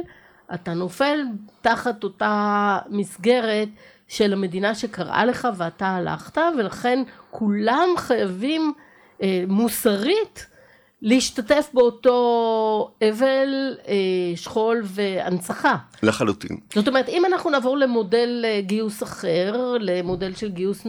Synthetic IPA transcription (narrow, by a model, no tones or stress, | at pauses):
ʔatano̞fe̞ltaχatotamisɡe̞ʁe̞t | ʃe̞lame̞dinaʃe̞kaʁʔa̰le̞χaveataːla̰χtave̞laχe̞nkʰulamχajavim | musaʁit | liːʃtate̞fbeoto̞ | eve̞leʃχo̞lvea̰nt͡saχaleχalutḭnz̥o̞t̬omeetimanaχnunaːvo̞ʁle̞mo̞de̞leɡiusaχe̞ʁle̞mode̞lʃe̞lɡius